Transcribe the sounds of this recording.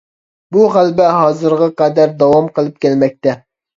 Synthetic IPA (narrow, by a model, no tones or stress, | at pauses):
buʁælbɛɦɑːzɨɾʁɑqɑd̪æɾd̪ɑwɑmqʰəlˠɨp̚kʲælmɛk̚ʲt̪ɛ